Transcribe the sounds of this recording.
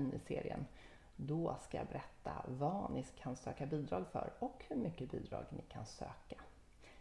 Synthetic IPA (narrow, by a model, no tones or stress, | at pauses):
nɪseːɾɪə̰n | d̪ɔskajɑ̰ːbɛɾʔɛt̪ʰːavɑnɪkʰansøːkabiːd̪ɾɑːɡfœ̰ɾɔkhɵɾmʏkːəbiːd̪ɾɑ̰ːɡnɪkʰansøːka